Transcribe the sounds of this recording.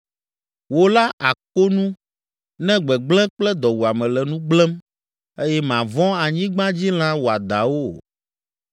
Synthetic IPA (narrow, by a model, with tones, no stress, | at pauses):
wo˦la˦ʔa˨ko˦nũ˦ | nɛ̃˦ɡ͡bɛ˨ɡ͡blɛ̃˦k͡plɛ˦d̪ɔ˨wu˨a˨mɛ̃˨lɛ˨nũ˦ɡ͡blɛ˦m | e˦jɛ˦mã˨vɔ̃˦a˨ɲĩ˦ɡ͡bã˦d͡ʑi˦l̃ã˦wo˨a˨d̪a̰˨wo˦